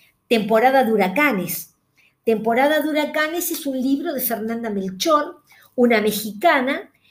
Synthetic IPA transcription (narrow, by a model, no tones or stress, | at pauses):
t̪e̞mpo̞ɾaðaðuɾakanes | t̪e̞mpo̞ɾaðaðuɾakane̞sesunliβɾo̞ðe̞feɾnãnd̪amelt͡ʃo̞n | unamexikana